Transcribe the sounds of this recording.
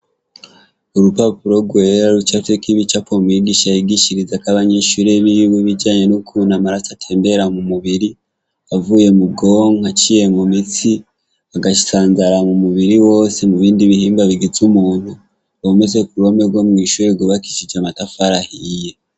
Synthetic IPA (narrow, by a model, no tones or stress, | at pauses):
uɾupapuɾo̞ɡwe̞ɾaɾut͡ʃaftekiβit͡ʃapomujiɡiʃajiɡiʃiɾizakaβaɲeʃuɾe̞βijuβuβiɟaːɲe̞nukʰunamaɾasatʰe̞ːmbe̞ɾamumuβiɾi | avuːje̞muɡo̞ŋhat͡ʃije̞mumit͡si | aɡaʃi̥saːnzaɾamumuβiɾiwo̞ːsemuβiːndiβihiːmbaβiɡizumuːn̥hu | βomezekuɾo̞meɾɡwo̞mŋiːʃuɾeɡuβaki̥ʃid͡ʒamatafaɾahije̞